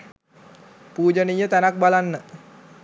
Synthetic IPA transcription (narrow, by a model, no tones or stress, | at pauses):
puːd͡ʒənijət̪anak̚balanːə